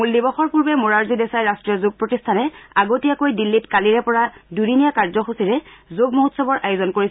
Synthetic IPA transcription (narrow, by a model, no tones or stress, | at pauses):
mulːibɔxɔɹpuɹbɛmoɹaɹzidɛsajɹastɹijɔzoɡ̚pɹotistʰanɛaɡotijakojdilːitkaliɹɛpɔɹadudinijakaɹzɔxosiɹɛzoɡmoɦutsɔbɔɹʔajozɔnkoɹis